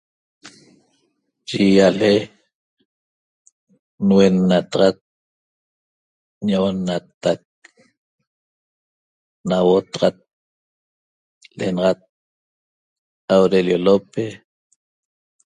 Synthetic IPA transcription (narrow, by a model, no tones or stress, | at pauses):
t͡ʃijale | nwenːat̪ɑʁɑt̪̚ | ɲoʔonːat̪ak̚ | nawot̪ɑʁɑt̪̚ | lenɑʁɑt̪̚ | awɾeljolope